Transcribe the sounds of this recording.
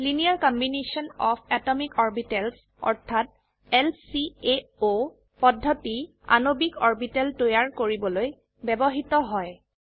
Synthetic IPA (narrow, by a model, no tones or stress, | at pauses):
liniaɹkɔmbinesiɔnɔpʰɛtɔmikɔɹbitɛls | ɔ̰ɹtʰat̚ | ɛlsieo | pɔdʱːɔti | a̰nobikɔɹbitɛltojaɹkoɹibɔloj | bɛbɔɦitɔɦɔj